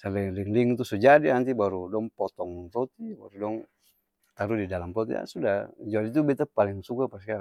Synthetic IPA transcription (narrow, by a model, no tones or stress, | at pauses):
salɛliŋliŋt̪usud͡ʒadinant̪ibaɾudɔŋpɔt̪ɔŋt̪ɔt̪iba̰ɾudɔŋ | t̪aɾudidalampɔt̪ḭa̰sudad͡ʒuadit̪̬ubɛt̪apaliŋsukapaska